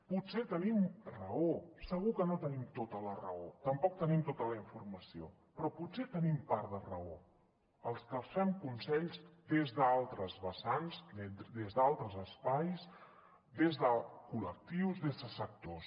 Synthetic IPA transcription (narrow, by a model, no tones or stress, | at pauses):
puset̪ənimrəosəɣukənot̪ənimt̪ot̪ələrə̰ot̪əmpɔk̚t̪ənimt̪ot̪ələiɱfurməsio̰ | pɾɔpuset̪ənimpaɾðərəo̰ | əlˠskəlˠsfɛmkunsɛʎzd̪ezðəalˠt̪ɾəzβəsanzed̪ezðalˠt̪ɾəzəspajs | d̪ezðəkulək̚t̪iwzðezðəsək̚t̪os